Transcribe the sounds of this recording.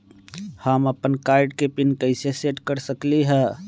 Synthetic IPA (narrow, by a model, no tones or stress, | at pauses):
həməpənkaːɪɖkepɪnkəɪseseʈkəɾsəkliɦɛ